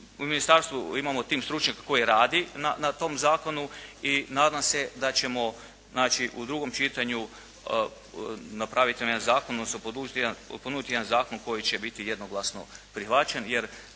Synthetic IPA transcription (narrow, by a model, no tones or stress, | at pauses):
uminist̪aɾst̪ʋuimamo̞t̪iːmst̪ɾut͡ʃɲakako̞jiɾaːd̪inanat̪o̞mzaːko̞nuinaːd̪amse̞d̪at͡ɕe̞mo̞ | znaːt͡ʃiʔud̪ɾuɡo̞mt͡ʃit̪aɲu | napɾaːʋit̪inamj̪anzaːkononosopod̪ud͡ʒit̪ijenpod̪nuːd̪it̪ijeanzaːko̞nko̞jit͡ɕe̞bit̪ije̞d̪no̞ɡlˠasno̞̰pɾixʋat͡ɕenje̞ɾ